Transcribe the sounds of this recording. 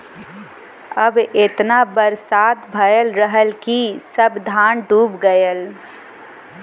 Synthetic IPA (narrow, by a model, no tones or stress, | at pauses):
əbet̪nabəɾsaːt̪bʱəjəlɾəɦəlkisəbd̪ʱaːnʈuːpɡəjəl